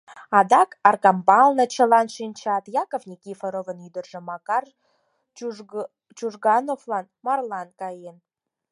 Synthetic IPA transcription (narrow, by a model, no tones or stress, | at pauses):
ɑd̪ɑkɑrkɑmbɑlˠnɤ̆t͡ɕə̆lɑnʃint͡ɕɑt̪jɑkovnʲikifəɾovə̆nyd̪ərʒə̆mɑkɑr | t͡ʃuʒɡɑnoflˠɑnmɑrlˠɑnkɑjen